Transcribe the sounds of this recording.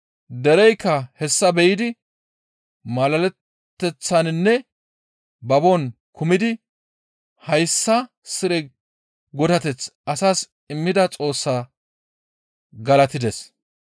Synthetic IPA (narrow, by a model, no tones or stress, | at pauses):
d̪ɛɾɛjkːɐhɛsːɐbɛjɪd̪ɪ | mɐlɐlɛt̪ːɛt͡sːɐnnːɛ | bɐbon | kʊmɪd̪ɪ | hɐjsːɐ | sɪɾɛ | ɡɔd̪ɐt̪ɛt͡sʔɐsaːs | ɪmːɪd̪ɐt͡sʼo̞ːsːaː | ɡɐlɐt̪ɪd̪ɛs